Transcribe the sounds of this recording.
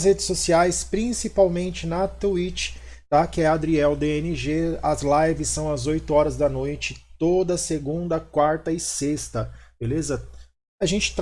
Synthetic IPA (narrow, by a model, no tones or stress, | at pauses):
shed͡ʒɪsːosiajspɾĩsipawmẽnt͡ʃɪnɐt̪uit͡ʃɪ̥t̪akɪɛad̪ɾiɛwd̪eenɪʒeɐzlajvɪsːɐ̃w̃ɐzojt̪ʊɔɾɐzd̪ɐnojt͡ʃɪt̪od̪ɐseɡũnd̪ɐkwaɾt̪ɐɪsest̪ɐb̥elezɐ | ɐʒẽnt͡ʃɪ̥t̪